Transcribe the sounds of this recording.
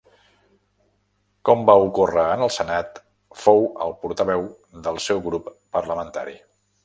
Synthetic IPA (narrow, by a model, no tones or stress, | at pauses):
kɔmbaukorəːnəlˠsənat̪ | fowə̰lˠpuɾt̪əβɛw | d̪əlˠsɛwɣɾupːərləmənt̪a̰ɾḭ